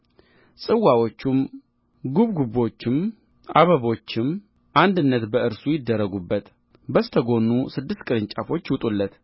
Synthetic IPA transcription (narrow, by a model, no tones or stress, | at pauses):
sʼɨwːawo̞t͡ʃːum | ɡuβɡubo̞t͡ʃːɪm | ʔaβəβo̞t͡ʃːɪm | ʔand̪ɨnːət̪bəɨɾsujɪd̪ːəɾːəɡubːət̪ | bəst̪ʰəɡo̞nːusɨd̪ːɨst̪kʼɨɾɨɲt͡ʃʼafo̞t͡ʃːwʊt̪ʼulːət̪